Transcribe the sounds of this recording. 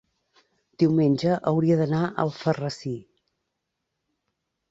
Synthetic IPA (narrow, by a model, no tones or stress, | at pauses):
d̪̥iwmenʲʒəʔəwɾiəðənaʔə̰lˠfərəsi